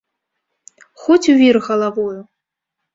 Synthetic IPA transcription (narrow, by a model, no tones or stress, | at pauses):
xɔt͡sʲuvʲirɣɐlˠavoju